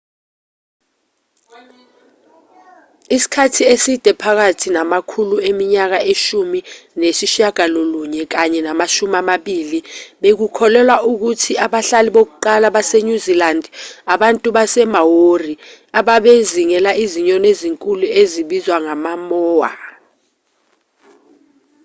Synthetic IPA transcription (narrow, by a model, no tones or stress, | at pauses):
isi̥kʰatʰiesid̥ʱɛpʰak̬atʰinamakʰuluemiɲak̬aʔeʃuminesiʃaɡ̥ʱaloluɲɛk̬aɲɛnamaʃumamaɓiːliɓek̬ukʰɔlɛlwaʔuk̬utʰiaɓaɬaliɓok̬uǃalaɓaseɲuzilandʱaɓantʼuɓasɛmawori | aɓaɓeziŋɛlaiziɲɔneziŋkʼulueziɓizwaŋamamɔːwa̰